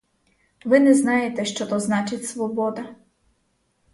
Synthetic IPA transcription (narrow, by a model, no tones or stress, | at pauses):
ʋɪnɛznɑjet̪ɛʃt͡ʃɔt̪ɔznɑt͡ʃɪtʲsʋɔbɔd̪ɐ